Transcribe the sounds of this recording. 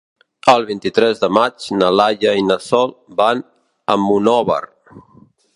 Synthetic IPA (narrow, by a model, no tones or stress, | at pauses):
əlˠβint̪it̪ɾɛzðəmad͡ʒnəlaʎəinəsɔlˠban | əmunɔβə̰r